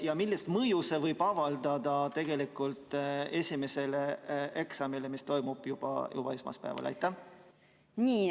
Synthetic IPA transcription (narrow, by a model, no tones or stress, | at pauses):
jɑmilːist̪mɤjusevɤjb̥ɑvɑld̪ɑd̪̥ɑt̪e̞ɡ̥e̞likˑult̪ˑe̞sʲime̞se̞leʔe̞ksɑmile̞mist̪o̞jmub̥jub̥ɑ̰jʔṵb̥ɑesmɑ̰spæ̰ːvɑ̰lɑ̰jt̪ːˑæ | nʲiː